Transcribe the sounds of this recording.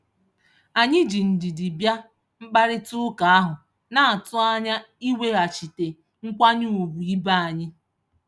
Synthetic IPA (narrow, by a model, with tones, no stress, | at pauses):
a˨ɲɪ˦d͡ʒi˨n̩˨dɪ˨dɪ˨bja˦ | ŋ͡m̩˦ɡ͡ba˦ɾɪ˦tʊ˦ʊ˦ka˨a˦ɦʊ˨ | na˦a˨tʊ˦a˦ɲa˦ | i˦we˦a˨t͡ʃi˨te˨ | ŋ̩˦kʷa˦ɲʊ˦u˨bu˨i˦ba˦a˨ɲɪ˦